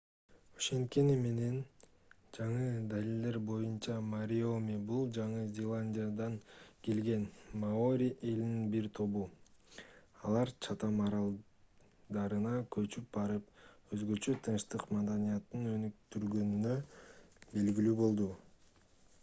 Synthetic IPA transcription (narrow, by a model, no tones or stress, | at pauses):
oʃe̞nt̪̚kenime̞ne̞n | d͡ʒɑɴɯd̪alilʲd̪e̞ɾbo̞junt͡ʃɑmaɾʲio̞mibulˠd͡ʒɑɴɯzʲelˠanʲdʲijad̪ɑŋkelɡe̞nmao̞ɾʲiʔe̞lininbiɾt̪ʰo̞βu | ɑlˠɑɾt͡ʃʰɑt̪ɑmɑɾɑlˠ | d̪ɑɾɯnɑkʰø̞t͡ʃyp̚bɑɾɯp̚ø̞zɡø̞t͡ʃø̞t̪ʰɯnʃt̪ɯqmɑd̪ɑnʲijɑt̪ːɯnø̞nyk̚t̪yɾɡø̞nynø | be̞lɡilyːbo̞lˠd̪u